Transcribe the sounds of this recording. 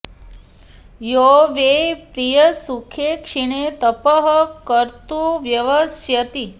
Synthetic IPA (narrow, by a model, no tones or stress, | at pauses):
joʋepɾijəsukʰekʂiɳ̃et̪əpəɦəkəɾt̪uʋjəʋəsjət̪i